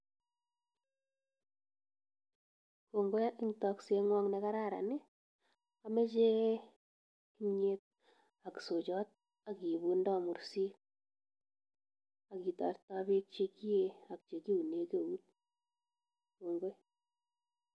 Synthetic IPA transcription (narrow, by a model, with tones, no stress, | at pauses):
ko˨ŋɡo˦jʔi˦ŋtɔ˨kse˦ŋwɔ˦ŋne˦ka˦ɾa˦˨ɾa̰˨ne˦ | a˦me˦t͡ʃe˦ | ki˦ɲe˦t̚ | a˨kso˨t͡ʃɔ˦t̚ | a˨ki˨βu˨ndɔ˦mu˨ɾsi˦k̚ | a˨ki˨tɔ̰˨rta˦βe˦k̚t͡ʃe˦ki˦je˦a˨k̚t͡ʃe˨ki˦u˨ne˨ke˦˨u˦t̚ | ko˨ŋɡo˦j